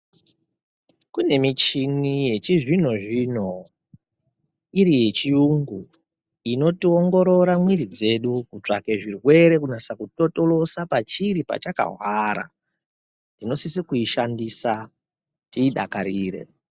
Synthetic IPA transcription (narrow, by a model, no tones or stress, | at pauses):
kune̞mit͡ʃinije̞t͡ʃiʐin̤oʐin̤o | iɾije̞t͡ʃijuŋɡu | ino̞tio̞ŋɡo̞ɾo̞ɾamwiɾid͡ze̞ɗukut͡ʂa̰keʐirwe̞ɾe̞kunasakuto̞to̞lo̞sapat͡ʃiɾipa̰t͡ʃaka̰ɦwaɾa̰ | nino̞sisikuiʃandisa | tiːɗa̰kaɾiːrḛ